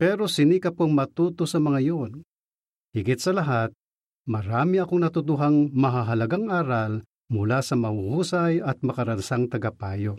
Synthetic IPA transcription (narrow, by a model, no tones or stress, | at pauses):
pɛɾo̞sɪnikɐpoŋmɐt̪uːt̪osɐmɐŋajon | hɪɡɪt̪̚sɐlɐɦat̪̚ | mɐɾaːmiɐkoŋnɐt̪ʊt̪ʊɦaŋmɐɦaɦɐlɐɡaŋʔaːɾal | mʊlasɐmɐhuhuːsajɐt̪̚mɐkɐɾɐnsaŋt̪ɐɡapaːjo